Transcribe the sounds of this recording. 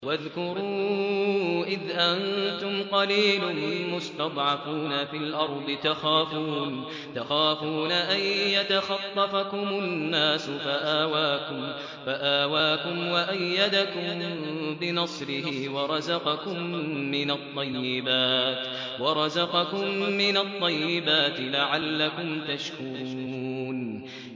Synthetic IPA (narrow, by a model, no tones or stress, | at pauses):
waðkʊɾuː | ʔɪðʔant̪ʊmqɑliːlʊnmʊst̪ɑd̪ˤʕɑfuːnafɪlʔɑɾˤd̪ˤɨt̪axaːfuːn | t̪axaːfuːnaʔajjat̪axɑt̪ˤːɑfakʊmʊnːaːsʊfaʔaːwaːkʊm | faʔaːwaːkʊmwaʔajːad̪akʊmbɪnɑsˤɾɪhɪwɑɾˤɑzɑqɑkʊmːɪnat̪ˤːɑjːɪbaːt̪ | wɑɾˤɑzɑqɑkʊmːɪnat̪ˤːɑjːɪbaːt̪ɪlaʕalːakʊmt̪aʃkuɾɾuuːn